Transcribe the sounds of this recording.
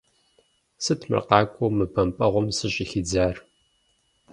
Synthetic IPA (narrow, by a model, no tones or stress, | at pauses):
sɨtʰmɨ̰rqɑːkʷʼomɨpʰɐmpʼɐʁʷʊmsɨɕʼixid͡zaːr